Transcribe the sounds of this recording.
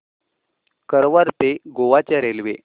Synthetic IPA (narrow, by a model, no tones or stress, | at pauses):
kəɾʋaɾt̪eɡoʋat͡ɕjaɾelʋe